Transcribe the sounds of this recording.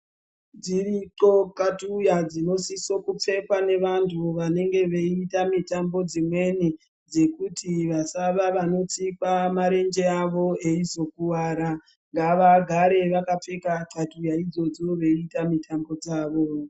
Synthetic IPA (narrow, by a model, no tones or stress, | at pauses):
d͡ziriǀo̞katujad͡zino̞siso̞kup͡fe̞kwane̞ʋantʰuʋane̞ŋɡe̞ʋeitamitambo̞d͡zimwe̞ni | d͡ze̞kutʰiʋasaʋaʋano̞t͡sikamaɾe̞nd͡ʒe̞aʋo̞e̞izo̞kuʋaːɾa | ŋɡaʋaɡʱaɾe̞ʋakap͡fe̞kaǃatujaid͡zo̞d͡zo̞ʋe̞itamitʰambo̞d͡zaːʋo̞